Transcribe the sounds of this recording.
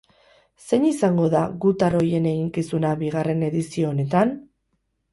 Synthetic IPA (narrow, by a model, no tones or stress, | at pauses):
se̞ɲisaŋɡo̞ðaɣut̪aɾo̞je̞ne̞ɣiŋkisunaβiɣare̞ne̞ðisio̞ːne̞t̪an